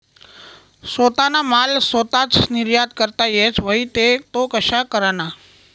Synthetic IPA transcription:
sot̪anamalsot̪at͡ʃnɪɾjad̪̚kəɾt̪ajet͡ʃʋəit̪et̪okəʃakəɾana

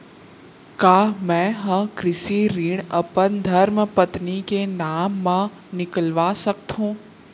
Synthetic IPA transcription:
kaːmɛ̃ːɦɐ̃kɾɪʃiɾiːɽɐpənd̪ʱɐɾmpət̪nikenaːmːã | nɪkəlʋaːsəkt̪ɦũː

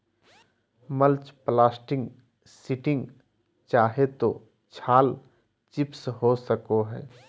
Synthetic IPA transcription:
məlt͡ʃplaːsʈɪ̃ŋɡ | sɪʈɪ̃ŋɡ | t͡ʃaːɦet̪o | t͡ʃʰaːl | t͡ʃɪpsɦosəkoɦɛ̰ː

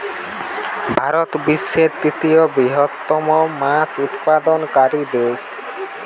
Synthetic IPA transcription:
bʱaɾɔt̪bisːeɾt̪it̪iɔbiɦɔt̪ːɔmɔmat͡ʃut̪pad̪ɔnkaɾid̪es

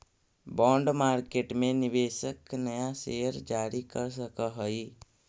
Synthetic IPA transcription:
bɔ̃ːɳɖmaːɾkeːʈmẽnɪʋeːʃəknɐjaʃeːəɾd͡ʒaːɾikəɾs̬əkaɦoi

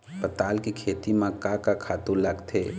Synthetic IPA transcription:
pət̪aːlkikʰeːt̪imãkakakʰaːt̪uləɡt̪ʰeː

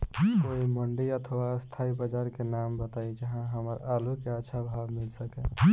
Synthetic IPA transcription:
koiməɳɖiət̪ʰwaəst̪ʰaibəd͡ʒaɾkenambət̪aid͡ʒəɦãɦəməɾalukeətːʃʰabʱabmilsəkɛ

